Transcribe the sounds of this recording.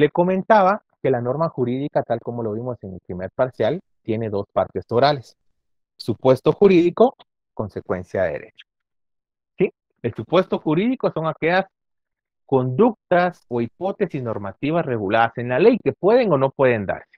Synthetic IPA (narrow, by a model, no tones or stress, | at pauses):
le̞ko̞mẽ̞nt̪aβa | ke̞lano̞ɾmaxuɾiðikat̪alko̞mo̞loβ̞imo̞se̞ŋelpɾimeɾpaɾsjal | t̪je̞ne̞ðo̞spa̰ɾt̪e̞st̪oɾale̞sː | upwe̞st̪o̞xuɾiðiko̞ | ko̞nse̞kwe̞̰nsjaðḛɾe̞̰t͡ʃo̥ | si | elsupwe̞st̪o̞xuɾiðiko̞so̞ŋake̞ʝas | ko̞nd̪uk̚t̪aso̞ipo̞t̪e̞sizno̞ɾmat̪iβ̞asre̞ɣulaðase̞nlale̞jke̞pwe̞ðe̞ŋo̞no̞pwe̞ðe̞nd̪a̰ɾse̥